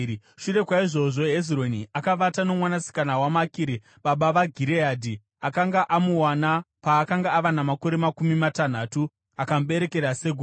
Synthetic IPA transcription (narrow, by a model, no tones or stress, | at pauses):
ʃure̞kwaiʐo̞ʐo̞ɦezro̞niʔakaʋatano̞mwanasi̥kanawamakiɾi | ɓaɓaʋaɡʱiɾeaːdʱi | akaŋɡaʔamuwanapaːkaŋɡaːʋanamako̞ɾe̞makumimatan̤atu | akamɓe̞ɾe̞ke̞ɾase̞ɡʱu